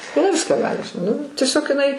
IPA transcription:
ɪˈnɐɪ ˈʋʲɪskɑː ˈɡɑːlʲɪ ʃ nʊ tʲiɛˈsʲoːk ɪˈnɐɪ

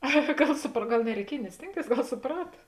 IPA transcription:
ɐ ˈɡɐlˠ sʊpr ˈɡɐlˠ nʲɛrʲɛɪˈkʲiɛj nʲɪ ˈsʲtʲeːŋkˌtʲeːɪs ˈɡɐlˠ sʊˈprɑːtɐ

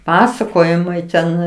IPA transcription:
ˈpɑːsɐkoːjɪmɐɪ tʲɛn

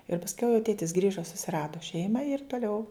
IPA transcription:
ɪr pɐsʲˈkʲɛʊ jɛʊ ˈtʲeːtʲɪs ˈɡrʲiːʒɐ sʊsʲɪˈrɑːdoː ˈʃʲɛɪmɑː ɪr toːˈlʲɛʊ

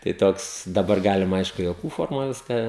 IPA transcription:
tɐɪ ˈtoːks dɐˈbɐr ˈɡɑːlʲɪmɐ ˈɐɪʃkʊ juɔˈkuː ˈfoːrmoːj ˈʋʲɪskɑː

